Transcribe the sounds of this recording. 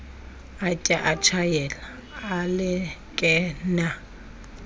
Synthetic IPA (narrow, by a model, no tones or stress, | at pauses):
atʼaʔat͡ʃʰajɛlaː | lɪkʼɛna